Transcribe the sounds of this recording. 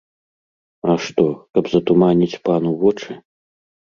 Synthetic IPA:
ɐʂt̪ɔkɐbzɐt̪umanʲit͡sʲpanuvɔt͡ʂɨ

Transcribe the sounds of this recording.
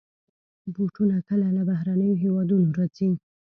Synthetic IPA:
buʈunakəlalabaɦɾanəjoɦewɑd̪unoɾat͡se

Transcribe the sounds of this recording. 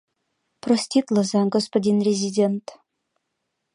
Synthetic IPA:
prosʲt̪ʲit̪lˠɤ̆zɑnɡospodʲinrʲezʲidʲent̪

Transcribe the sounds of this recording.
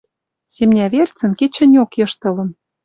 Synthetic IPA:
semnʲæβert͡sə̆nket͡ɕɘ̆nʲokjɤ̆ʃt̪ɤ̆lɤ̆n

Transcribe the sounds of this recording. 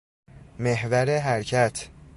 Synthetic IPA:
meɦvæɾeɦæɾcʰæt̪ʰ

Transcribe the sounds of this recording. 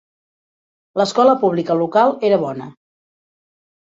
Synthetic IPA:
ləskɔləpuβlikəlukalˠeɾəβɔnə

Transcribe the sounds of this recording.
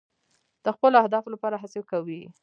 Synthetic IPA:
d̪̥əxpəloahd̪ɑflapɑɾaɦasewkawi

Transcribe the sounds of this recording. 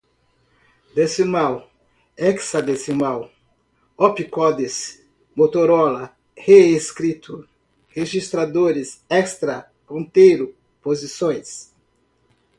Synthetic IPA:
d̪esimaw | ɛksɐd̪esimaw | ɔpikɔd̪es | mot̪oɾɔlɐ | heeskɾit̪ʰʊ | heʒist̪ɾad̪oɾɪsɛst̪ɾɐ | hõnt̪ejɾʊ | pozisõj̃s

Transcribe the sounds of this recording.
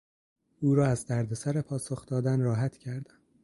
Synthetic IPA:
uːɾɒːæzd̪æɾd̪e̞sæɾe̞pʰɒːsoxd̪ɒːd̪ænrɒːɦæt̪ʰcʰæɾd̪æm

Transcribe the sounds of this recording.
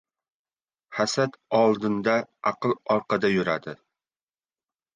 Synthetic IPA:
χæsæt̪ɑlˠd̪ɨnd̪ɑɑqɨlˠɑɾqɑd̪ɑjyɾæd̪ɪ

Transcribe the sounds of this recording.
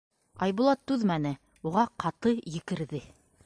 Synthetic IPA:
ɑjβulˠɑt̪ːʉðmænɘ | uʁɑqɑt̪ɤjɘ̆kɘ̆ɾðɘ

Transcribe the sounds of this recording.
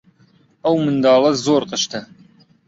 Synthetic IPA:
ɐwmɨnd̪ɑːlˠɐzoːɾqəʃt̪ʰɐ

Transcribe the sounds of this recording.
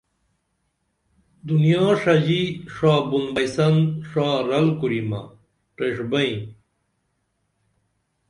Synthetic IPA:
d̪unijaːʂɐd͡ʑiʂaːbunbɐjsɐnʂaːɾɐlkuɾima̰ | ʈeʂbɐĩ

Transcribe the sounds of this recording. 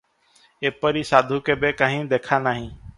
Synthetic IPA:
eːpəɾiːsaːd̪ʱuːkeːbeːkaːɦĩːd̪eːkʰaːnaːɦĩː

